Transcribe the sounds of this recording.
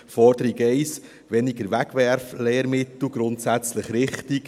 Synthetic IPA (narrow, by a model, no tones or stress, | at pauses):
fɔɾd̥̪əɾiɡɛɪs | ʋɛniɡəɾʋæɡ̥ʋɛɾfleːɾmɪt̪l̩ɡ̥ɾʊntsæt͡sləχɾɪχtik